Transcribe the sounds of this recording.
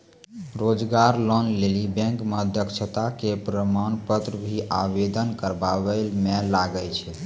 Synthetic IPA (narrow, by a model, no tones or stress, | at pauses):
ɾod͡ʒɡaɾlɔnlelibɛ̃ŋkməəd̪ʱjəkʃʰət̪akepɾəmanpət̪ɾəbʱiʔa̰bed̪ənkəɾbabəlmelaɡəlt͡ʃʰɛ